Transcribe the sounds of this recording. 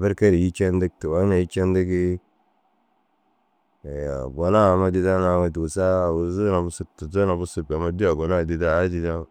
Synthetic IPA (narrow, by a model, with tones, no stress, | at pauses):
be˦ɾke˦ɾi˨ji˦t͡ʃe˦ndə˦k̚ti˨wa˦na˨ji˦t͡ʃe˦nde˦ɡi˦˨ | a̰˨bo˨na˦˨ma˦di˦da˦na˨wa˨tu˨sa˦˨wu˨zu˦na˨mu˦su˦k̚tu˨zu˦na˨bu˦su˨ba˨ma˦di˦a˨ɡo˨na˦˨di˨da˦a˦di˦da˦